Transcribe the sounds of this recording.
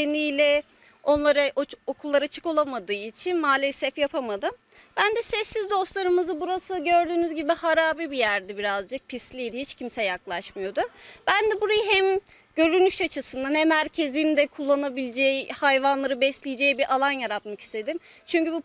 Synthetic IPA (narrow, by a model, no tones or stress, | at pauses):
enijlʲɛ | o̞nlˠaɾaʔokʰulˠːaɾat͡ʃʰɯ̥ko̞lˠamad̪ɯːit͡ʃʰinmaːlʲesɛfjapʰamad̪ɯm | bænd̪ɛsɛsːizd̪o̞st̪lˠaɾɯmɯzɯbuɾasɯɟø̞ɾd̪yːnyzɟibihaɾaːbibijæɾd̪ɛbiɾazd͡ʒɯk̚pʰislʲijd̪ihit͡ʃcʰimsɛjaklˠaʃmɯjo̞d̪ʊb̥ænd̪ɛbuɾajɯɦæm | ɟ̥ø̞ɾynyʃat͡ʃʰɯsɯnd̪anhæmhæɾcʰe̞zind̪ɛkʰulˠːanabilʲd͡ʒejhajvanlˠaɾɯbɛslʲijid͡ʒejibiɾʔalˠanjaɾat̪maki̥st̪ʰe̞d̪im | t͡ʃʰyɲcybu